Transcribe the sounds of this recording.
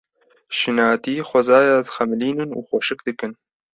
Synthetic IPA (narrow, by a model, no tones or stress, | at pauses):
ʃɨnaːt̪iːxʷɐzaːjaːd̪ɨxɛmɨliːnɨnṵːxoʃɨk̚d̪ɨkɨn